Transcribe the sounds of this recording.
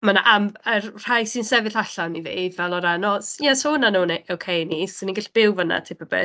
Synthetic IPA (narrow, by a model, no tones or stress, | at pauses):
mana̰ʔamərr̥ajsɪnsɛvɪɬaɬawnivḭːdvɛlˠɔɾanɔsjɛshʊnanuneʔowkʰejnisɪniɡɪɬb̥ɪwvəna̰tʰɪpʰəbɪ̰